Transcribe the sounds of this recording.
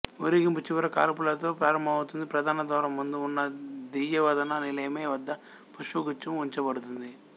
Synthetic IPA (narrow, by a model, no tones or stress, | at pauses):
uɾiɡimput͡ʃiʋɐɾɐka̰ːɾpulɐt̪o̞ːpɾaːɾɐmbʱɐmɐut̪und̪ipɾɐd̪ʱaːnɐd̪ʋaːɾɐmːund̪uːnːɐd̪ijɐʋɐd̪ɐnɐnilɐjɐmeːʋɐd̪ːɐ | pɐʂuɡut͡ʃːɐmuɲt͡ʃɐbɐɽut̪und̪i